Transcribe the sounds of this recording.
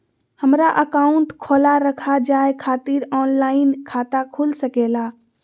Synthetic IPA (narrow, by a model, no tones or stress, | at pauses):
həmɾaʔəkauɳʈkʰolaɾəkʰad͡ʒaekʰat̪iɾɔnlaɪnkʰat̪akʰulsəkela